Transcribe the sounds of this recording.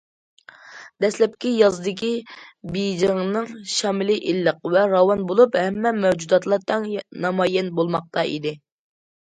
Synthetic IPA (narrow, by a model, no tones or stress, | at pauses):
d̪ɛslɛp̚kʲijɑzɨd̪ɪk̬ʲibijd͡ʒəŋnɨŋʃɑmɪlɪʔilːəq̚vɛɾɑwɑnbolˠuphɛmːɛmɛwd͡ʒud̪ɑt̪lˠɑɾt̪ʰːɑŋnɑmɑjɛnbolˠmɑq̚t̪ɑḭd̪ɪ